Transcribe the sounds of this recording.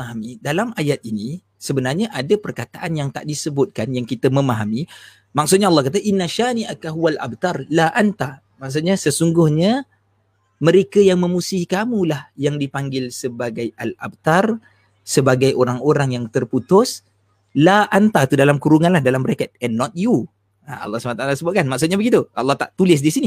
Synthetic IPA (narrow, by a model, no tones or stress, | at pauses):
aɦamidalamajat̪̚ini | səbənarɲaʔadapərkat̪aʔanjaŋt̪a̰ʔdisəbʊt̪̚kanjaŋkit̪əmə̃maɦami | mak̚sʊt̪̚ɲaɑlːɑhkat̪̬aʔinːaʃaniʔakaɦuwalʔa̰b̚t̪arlaʔant̪a | maks̬ut̪̚ɲasəsuŋɡʊhɲa | mə̃ɾekajaŋmə̃musihikamulahjaŋdipaŋɡɪlsəbaɡajala̰b̚t̪ar | səbaɡajʔoɾaŋoɾaŋjaŋt̪ərput̪ʊs | laʔant̪at̪udalamkuɾuŋanlahdalambəɾakat̪̚ɛnːɔt̪̚ju | a̰ɑ̰lːɑsəbanat̪aʔalasəbʊt̪̚kanmaksʊt̪̚ɲabəɡit̪uɑ̰lːɑht̪aʔt̪ulɪs̬disini